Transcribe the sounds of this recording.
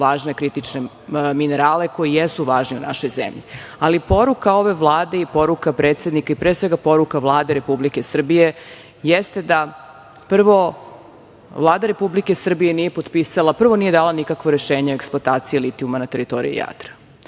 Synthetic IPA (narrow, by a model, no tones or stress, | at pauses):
ʋaːʒnekɾit̪it͡ʃne | mineɾaːle̞ko̞jijesuʋaːʒniunʔa̰ʃo̞jzḛmʎḭalipo̞ɾukao̞ʋe̞ʋlˠaːd̪e̞ipo̞ɾukapɾeːt̪sje̞d̪nikaipɾesʋe̞ɡapo̞ɾukaʋlˠaːd̪eɾe̞publike̞sr̩bije̞ | jest̪e̞d̪a | pr̩ʋo̞ | vlˠaːd̪aɾe̞publike̞sr̩bije̞nije̞pot̪pisalˠapr̩ʋo̞nije̞d̪aːlanikakʋoɾeʃeːɲeoeksplˠot̪aːt̪sijilit̪iumanat̪e̞ɾit̪o̞ɾḭjḭja̰t̪ɾḁ